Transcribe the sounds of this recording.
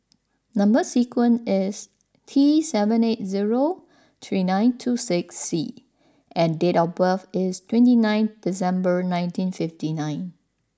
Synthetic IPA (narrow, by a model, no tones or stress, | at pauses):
nʌ̃mbəsikʰwə̃nɪs | t̪ʰisɛvə̃net̚ziɹo | t̪ʰɹinãɪ̃ntʰusɪksːi | ʔɛ̃ndetɔbəfɪstʰwɛ̃ntinãj̃nθdis̬ɛ̃mbəɹnãɪ̃ntĩnfɪftinãɪ̃n